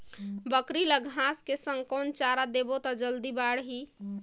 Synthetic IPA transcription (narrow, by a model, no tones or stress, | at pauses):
bəkɾiləɡʱɦaskesə̃ŋkont͡ʃaɾad̪ebot̪ɔd͡ʒəld̪ibaɽɦi